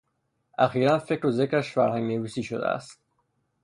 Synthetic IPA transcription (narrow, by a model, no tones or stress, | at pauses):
ʔæxiːɾænfecɾozecɾæʃfæɾhæŋneviːsiːʃo̰d̪ḛæ̰st̪̚